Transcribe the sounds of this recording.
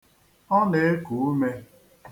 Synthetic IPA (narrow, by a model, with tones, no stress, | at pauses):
ɔ˦ne˨e˦ku˨u˦me˦